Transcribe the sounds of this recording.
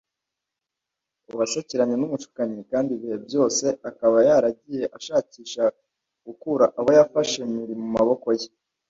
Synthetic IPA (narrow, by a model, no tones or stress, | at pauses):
uβasociɾaɲenumuʃu̥kaɲekaːndiβihe̞bjo̞ːse̞akaβajaɾaɟije̞ʔaʃaːciːʃa | ɡ̥ukuɾaʔaβo̞jafaʃemiɾimumaβo̞ko̞je